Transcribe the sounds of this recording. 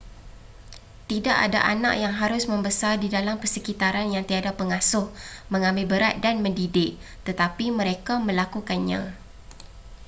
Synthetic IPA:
t̪idaʔa̰da̰ʔana̰ʔjaŋɦaɾʊsmə̃mbəsardidalampərsəkit̪aɾanjaŋt̪iadapəŋasʊhmə̃ŋãmbɪlbəɾat̪̚danmə̃ndidɪk̚ | t̪ət̪apimə̃ɾekamə̃lakukanɲã̰

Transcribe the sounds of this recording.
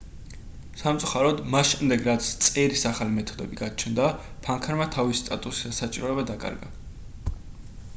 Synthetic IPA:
samt̪sʼuχaɾɔd̪masʃɛmd̪ɛɡɾat̪sʰt̪sʼɛɾisaχalimɛt̪ʰɔd̪ɛ̰biɡat͡ʃʰnd̪a | pʰaŋkʰaɾmat̪ʰavist̪ʼat̪ʼusi̥d̪asat͡ʃʼiɾɔɛbad̪akʼa̰ɾɡa̰

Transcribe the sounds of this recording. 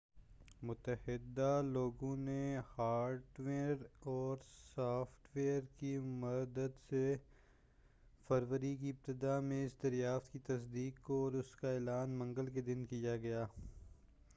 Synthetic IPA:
mʊt̪əhɪd̪aloːɡõnehaːɾʈʋeːəɾɔːɾsaːfʈʋeːəɾkimɐd̪əd̪se | fɐɾʋəɾik̬iɪp̚t̪ɪd̪amẽɪsd̪ɐɾjaːft̪kit̪ɐsd̪iːkoɔːɾʊskaeːlaːnmɐ̃ŋɡəlked̪ɪnkijaɡɐjaː

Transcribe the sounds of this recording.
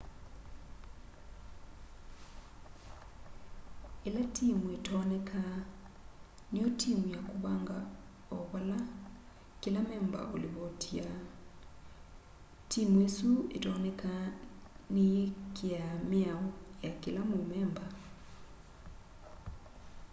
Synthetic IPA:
elatimuetɔnekʰa | niotʰimujakuβaŋɡa | ɔβala | kilamɛmba̰ʔo̰liβotia | timuesuḛtɔnɛka | nekiamiaɔjakilamumɛmba

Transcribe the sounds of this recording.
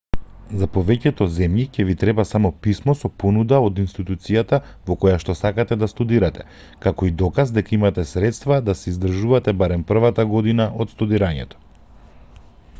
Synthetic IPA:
zapɔvɛcɛt̪ɔzɛmjicɛvit̪ɾɛbasamɔpismɔsɔpɔnud̪aod̪inst̪it̪ut̪sijat̪a | vɔkɔjaʃt̪ɔsakat̪ɛd̪ast̪ud̪iɾat̪ɛ̥ | kakɔid̪ɔkazd̪ɛkaimat̪ɛsɾɛt̪st̪vad̪asɛizd̪r̩ʒuvat̪ɛbaɾɛmpr̩vat̪aɡɔd̪inaʔɔt̪st̪ud̪iɾaɲɛ̰t̪ɔ̥

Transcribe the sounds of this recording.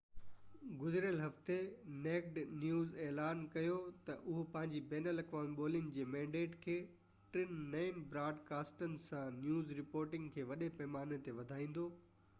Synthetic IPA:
ɡʊzɪɾjəlɦɐft̪eneːkʈnjuːzeːlaːnkɐjot̪ɐʔʊɦpɐ̃ɦɪ̃ɲd͡ʑibɛːnəlɐkʋãːnɓoːlɪənɪ̆d͡ʑeːmɛ̃ːɳɖeːʈkʰeː | ʈɾɪnːeːɪmbɾaːɖkaːsʈənɪ̆sãnjuːzɾɪpoːɾʈɪ̃ŋɡkʰeːʋɐɗepɐɦmaːnet̪eʋɐd̪ʱaːĩːn̆d̪oː

